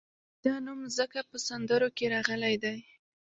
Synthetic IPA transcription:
d̪̥ɑnumzəkapəsand̪əɾokeɾɑɣəlajd̪aj

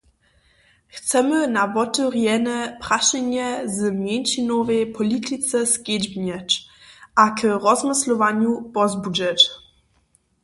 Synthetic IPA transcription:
xt̪sɛmɘnavɔt̪ɔɾjɛnɛpɾaɕɛɲɛzmʲjɛnʲʃinɔvɛjpʰɔlʲit̪ʰit̪sɛskʲjed͡ʑbɲɛt͡ɕʔakɾɔzmɘslɔvaɲupɔzbud͡ʒɛt͡ɕ

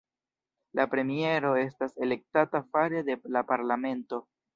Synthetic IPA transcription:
lapɾe̞mie̞ɾo̞e̞stase̞le̞k̚tatafaɾe̞d̪e̞lapaɾlame̞nto̞

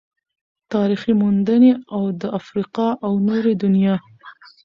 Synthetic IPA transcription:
t̪ɑɾiximund̪əneawd̪əafɾiqɑʔawnoɾed̪ʊnjɑ

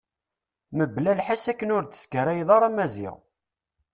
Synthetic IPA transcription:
məblælħasækːənʊɾt͡s̪ə̥skəɾæjðˤɑɾˤɑmæzɪ̰ʁ

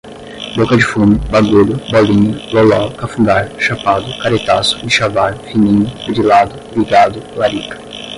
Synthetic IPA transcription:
bokɐd͡ʒɪfũmʊbaɡuʎʊbɔlĩɲʊlolawkafũɡaɾʃapad̪ʊkaɾet̪asʊ̥d͡ʒɪʃavaɾfinĩɲʊbɾilad̪ʊliɡad̪ʊlaɾikɐ̥

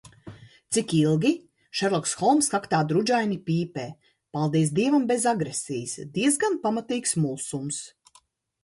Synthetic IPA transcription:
t̪sikilˠɡʲi | ʃɛɾlˠɔksxɔlˠmskakt̪aːd̪ɾud͡ʒajnipʲiːpɛː | palˠd̪iɛs̬d̪iɛvambezaɡɾesʲijsd̪iɛzɡanpamat̪iːksmulˠsums

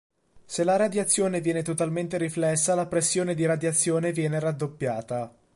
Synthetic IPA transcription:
selaɾad̪jat̪sːjoːnevjɛːnet̪ot̪alment̪eɾiflɛsːalapɾesːjoːned̪iɾad̪jat̪sːjoːnevjɛːneɾad̪ːopːjaːt̪a

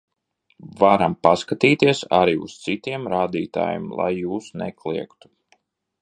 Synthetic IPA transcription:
vaɾampaskat̪iːt̪iɛsa̰ɾiṵst̪sit̪iɛmɾaːd̪iːt̪a̰ːjḭmlˠa̰jːuːsnɛ̰klˠiɛkt̪u̥

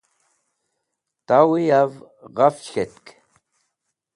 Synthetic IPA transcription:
t̪awijav | ʁaft͡ʃxʲɛtkʰʼ

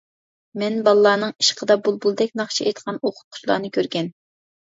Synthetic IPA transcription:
mɛnbɑlˠlˠɑːnɨŋi̥ʃqʰəd̪ɑbulˠbulˠd̪ɛk̚ʲnɑχt͡ʃʰiejt̪qʰɑnoqʰʊ̥t̪̚qʰʊ̥t͡ʃlˠɑ̰ːnɨkʲʰøɾɡʲɛn

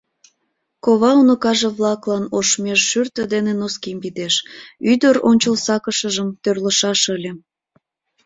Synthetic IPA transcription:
koβɑunokɑʒeβlɑklɑnoʃmeʃːyrt̪ə̆d̪enenoskimbid̪eʃyd̪əɾonʲt͡ɕəlsɑkəʃəʒəmt̪ørlə̆ʃɑʃəlʲĕ

